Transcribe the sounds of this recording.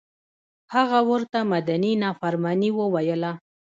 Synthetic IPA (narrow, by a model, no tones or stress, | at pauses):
haɣawəɾt̪amad̪aninɑfaɾmɑniwəwajəla